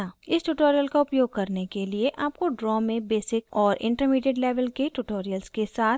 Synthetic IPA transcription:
aɪsʈuʈoːɾijəlkaʊpjoːɡ̚kɐɾnekelieʔaːp̚koɖɾɔːmẽbeːsɪkɔːɾʔɪ̰̃ɳʈəɾmiːɖeɖlɛːʋəlkeʈuʈoːɾijəlskesaːt̪

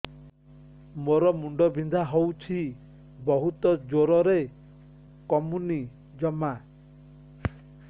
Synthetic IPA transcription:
moɾɔmuɳɖɔbʱind̪ʱaɦowt͡ʃʰi | bɔɦut̪ɔd͡ʒoɾɔɾe | kɔmuni | d͡ʒɔma

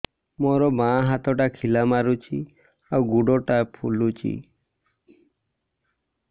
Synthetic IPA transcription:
mɔɾɔbãɦat̪ɔʈakʰilamaɾut͡ʃʰi | awɡuɽɔʈapʰṵlut͡ʃʰḭ

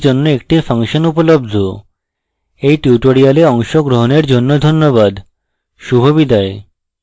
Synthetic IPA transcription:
d͡ʑonːoek̚ʈifʰaŋʃonupolob̚d̪ʱo | ejʈiuʈoɾialeɔŋʃoɡɾoɦoneɾd͡ʑonːod̪ʱonːoβad̪ | ʃubʱobid̪ae

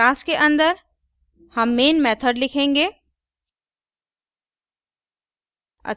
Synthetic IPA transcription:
aːskeʔɐ̃nd̪əɾ | hɐmːeːnmɛːt̪ʰəɖlɪkʰẽːŋɡeː | ɐ̰

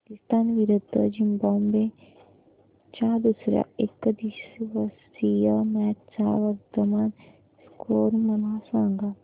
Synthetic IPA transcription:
kist̪aːnʋiɾud̪əd͡ʒimbombe | t͡ʃaːd̪usɾja̰ekd̪iʃʋɐs | ijəmɛːt̪t͡saːʋɐɾt̪əmaːn | skoːɾmɐnasãːŋɡa

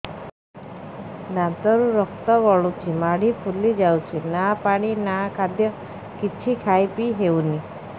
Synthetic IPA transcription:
nant̪ɔɾuɾɔkt̪ɔʋɔɭut͡ʃʰimaɽ̤ipʰulid͡ʒawt͡ʃʰinapaɽ̃inakʰad̪jɔ | kit͡ʃʰikʰajpiɦeuni

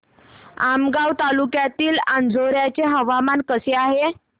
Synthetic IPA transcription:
amɡawt̪alukjat̪iːland͡zoɾjat͡ɕeɦəʋamankəseaɦe

